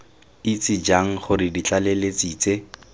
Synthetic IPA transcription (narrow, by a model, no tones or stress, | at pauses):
it͡sɪd͡ʒaŋ̩χʊrɪdit͡ɬalelet͡siːt͡se